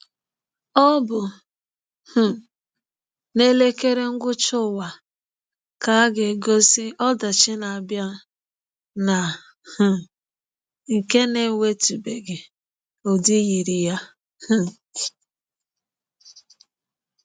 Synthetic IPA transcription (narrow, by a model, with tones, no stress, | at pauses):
ɔ˦bʊ˨ | h̩˨ | ne˦le˦ke˦ɾe˦ŋ̩˦ɡʷʊ˦t͡ʃʊ˦˨wa˨ | ka˨a˦ɡɪ˨ɡo˦si˦ɔ˦da˨t͡ʃɪ˦na˨a˨bja˦ | na˨ | h̩˨ | ŋ̩˨ke˦ne˨˦˨we˦tu˨be˨ɡɪ˨ | o˨di˦ɣi˨ɾi˨ja˦ | h̩˦